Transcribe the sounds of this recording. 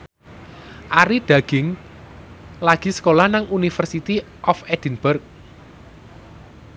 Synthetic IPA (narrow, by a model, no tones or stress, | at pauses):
ʔaɾid̪̥a̤ɡ̥ɪŋ | laɡ̥i̤sə̥kolahnaŋunifərsit̪i | ʔɔfɛd̪̥inb̥ʊrk̚